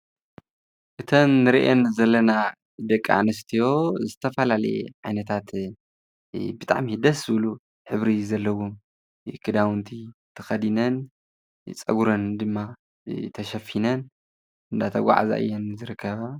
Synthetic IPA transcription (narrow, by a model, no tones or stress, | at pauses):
ʔɨt̪ʰɐnːɨɾiʔenzɐlːɐna | d̪ɐkʼːaʕanɨs̬t̪ʰijo̞zɨt̪ʰɐfɐlalɐ̰ḛʕajnɐt̪ʰat̪ | bɨt̪ʼa̰ʕmihɨd̪ɐszɨβlu | ħɨβɾizɐlːɐwu | kʰɨd̪awnt̪ʰit̪ʰɐxɐd̪inɐn | t͡sʼɐ̰ɡuɾɐnd̪ɨmːa | t̪ʰɐʃɐfinɐn | ʔɨnd̪at̪ʰɐɡʷa̰ʕa̰za̰ʔɨ̰jːɛnzɨɾɨkʰːɐβa